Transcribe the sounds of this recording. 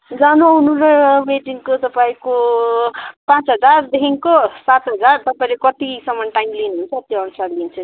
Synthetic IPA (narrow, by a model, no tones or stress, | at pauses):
d͡zanounuɾʌmeʈiŋkot̪ʌpaĩko | pãt͡sɦʌd͡zard̪eɦiŋkosat̪ɦʌd͡zart̪ʌpaĩlekʌt̪isʌmʌnʈajmlinuɦunt͡sʰʌt̪joʌnusaɾlint͡sʰʌ